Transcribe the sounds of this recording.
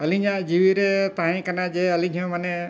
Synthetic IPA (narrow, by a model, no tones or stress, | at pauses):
əliɲãd͡ʒiʋiɾet̪ãɦĩkənad͡ʒeəlĩɲʱõməne